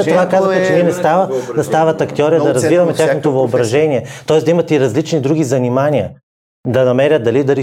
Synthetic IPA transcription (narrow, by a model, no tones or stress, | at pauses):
tt̪ovakazvəxɛt͡ʃɛniɛnɛst̪avəd̪ɐst̪avɐt̪ɐkt̪ʲiɔɾiəd̪ɐɾɐzvivɐmɛt̪ʲaxnot̪ovɐobɾɐʒɛnʲiɛt̪ɔɛsd̪ɐimɐt̪ɛiɾɐzlit͡ʃnid̪ɾuɡ̟izɐnimaniə | d̪ɐnɐmɛɾʲət̪̚d̪ɐlid̪ɐɾi